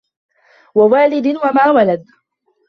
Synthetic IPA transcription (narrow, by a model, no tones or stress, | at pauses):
wawaːlɪd̪nwamaːwalad̪̚